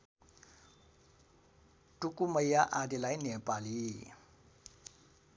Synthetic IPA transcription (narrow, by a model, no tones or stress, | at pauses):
tukuməjaʔadelajnɛpali